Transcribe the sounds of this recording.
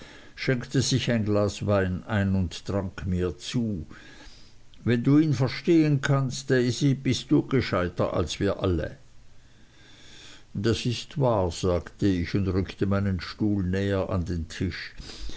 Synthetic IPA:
ʃɛŋktəzɪçaɪnɡlaːsvaɪnaɪnʊnttʁaŋkʰmiːɐt͡suː | vɛnduːiːnfɛɐʃteːənkʰanstezib̥ɪstd̥uːɡ̥əʃaɪtɐ̰ʔa̰lsv̥iːɐʔalə̰ | d̥asɪstvaːɐz̥aːktəɪçʊndʁʏktəmaɪnənʃtuːlnɛːəʔa̰ndeːntʰɪʃ

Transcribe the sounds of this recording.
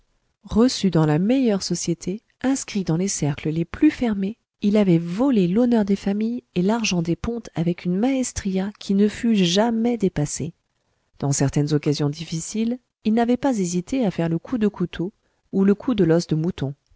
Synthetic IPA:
ʁəsyd̪ɑ̃lamɛjœʁsɔsjet̪ʰe | ɛ̃skχitd̪ɑ̃lesɛʁkləleplyfɛʁme | ilavɛvɔlelɔnœʁd̪efamijelaʁʒɑ̃d̪epɔ̃t̪ʰavɛkʰynmaɛst̪χijakʲʰinəfyʒamɛd̪epase | d̪̥ɑ̃sɛʁt̪ɛnzɔkazjɔ̃d̪ifisil | ilnavɛpazezit̪eafɛʁləkʰud̪əkʰut̪ʰo | uləkʰud̪əlɔsd̪əmut̪ɔ̃

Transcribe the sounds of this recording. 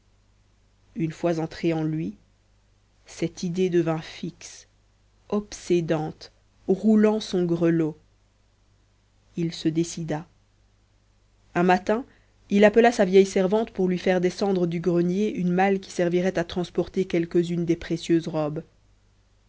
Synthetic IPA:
ynfwazɑ̃t̪χeɑ̃lɥi | sɛt̪id̪ed̪əvɛ̃fiks | ɔpsed̪ɑ̃t̪ | ʁulɑ̃sɔ̃ɡʁəlo | ilsəd̪esid̪a | ɛ̃mat̪ɛ̃ | ilapəlasavjɛjsɛʁvɑ̃t̪puʁlɥifɛʁd̪esɑ̃d̪ʁəd̪yɡʁənjeʔynmalk̬ʲi̥sɛʁviʁɛt̪at̪χɑ̃spɔʁt̪ekʲɛlkəzynd̪epχesjøzʁɔb

